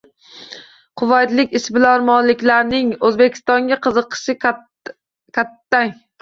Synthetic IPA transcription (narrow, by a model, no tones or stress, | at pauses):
qʰʊvat̪lɪkʲɪsbɪlanmɒlɪkʲlaɾnɪŋɵzbe̞kʲʰɪ̥st̪ɒŋɡʲaqʰɨzɨqʰɨ̥ʃɪ | kʲʰat̪ːaŋ